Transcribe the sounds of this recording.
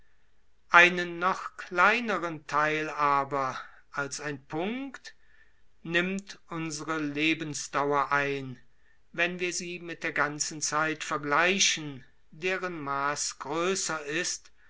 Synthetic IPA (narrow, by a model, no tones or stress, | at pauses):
ʔaɪnənːɔχkl̥aɪnəʁəntʰaɪlaːbɐ | ʔalsaɪnpʰʊŋkkt | nɪmtʔʊnzəʁəleːbən̩sd̥awɐʔaɪn | vɛnviːɐziːmɪt̚d̥eːɐɡant͡sn̩t͡saɪtfɛɐɡlaɪʃən | deːʁənmaːsɡ̥ʁøːsɐɪst